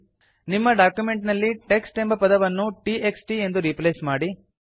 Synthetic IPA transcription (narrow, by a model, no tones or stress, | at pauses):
nimːɐɖaːkjume̞ɳʈnɐlːiʈeksʈembɐpɐd̪ɐʋɐnːuʈiʔeksʈie̞nd̪uɾipleːsmaːɽi